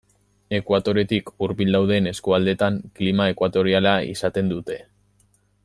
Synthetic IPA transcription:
e̞kwat̪o̞ɾe̞t̪ikuɾbild̪awðe̞ːne̞skuald̪e̞t̪aŋklimae̞kwat̪o̞ɾialaḭsat̪e̞nd̪ut̪e̞

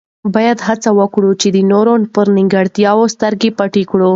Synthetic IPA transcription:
bɑjad̪hat͡sawəkɽut͡ʃed̪ənoɾonpəɾnɪŋɡaɽt̪jɑwost̪əɾɡepaʈikɽu

